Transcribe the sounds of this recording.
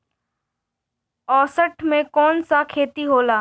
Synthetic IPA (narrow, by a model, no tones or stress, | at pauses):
ɔːsəʈʰmẽkɔːnsakʰeːt̪iɦoːlaː